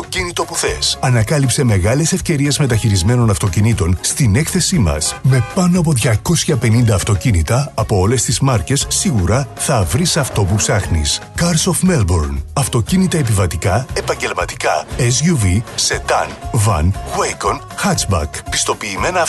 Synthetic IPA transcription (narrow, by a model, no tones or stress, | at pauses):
ocinit̪o̞puθesɐnɐkɐlipse̞me̞ɣɐle̞se̞fce̞ɾie̞zme̞t̪ɐçiɾizme̞no̞nɐft̪o̞cinit̪o̞nst̪ine̞kθe̞simɐ̰sme̞pɐno̞ɐp̬o̞ðʝɐko̞sçɐpe̞nind̪ɐːft̪o̞cinit̪ɐːpo̞ole̞st̪izmɐɾce̞sːiɣuɾɐθɐvɾisɐft̪o̞pupsɐxnḭskɐɾso̞fme̞lboɾnɐft̪o̞cinit̪ɐe̞p̬ivɐt̪ikɐe̞pɐɲɟe̞lmɐt̪i̥kɐes̬ʝuvise̞t̪ɐ̰nvɐ̰nkwekon | xɐsbɐ̰kpi̥st̪o̞piːme̞nɐ